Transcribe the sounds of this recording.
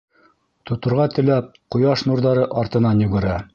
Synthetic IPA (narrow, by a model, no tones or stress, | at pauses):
t̪ŏt̪ŏɾʁɑt̪ɘ̆læp̚qŏjɑʃnuɾðɑɾɤʔɑɾt̪ɤ̆nɑnjʉɡɘ̆ɾæ